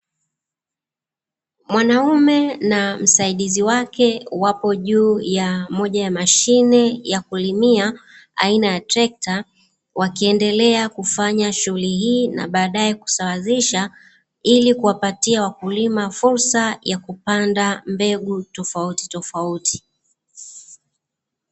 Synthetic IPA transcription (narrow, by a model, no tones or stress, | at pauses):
mwanaumɛnam̩saiɗiziwakɛwapɔʄuːjamɔʄajamaʃinɛjakulimia | a̰inajatɾɛk̚ta | wakiɛndɛlɛakufaɲaʃuuliɦiːna̰ɓaːɗaɛku̥sawaziʃa | ilikuwapatiawakulimafuɾsajakupandambɛɡutɔfauti̥tɔfauti̥